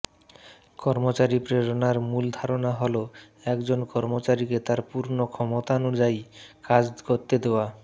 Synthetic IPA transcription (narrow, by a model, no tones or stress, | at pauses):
kɔɾmot͡ɕaɾipɾeɾonaɾmuld̪ʱaɾonaɦolo | ɛkd͡ʑonkɔɾmot͡ɕaɾiket̪aɾpuɾnokʰɔmot̪aonud͡ʑajkad͡ʑkoɾt̪ed̪eoa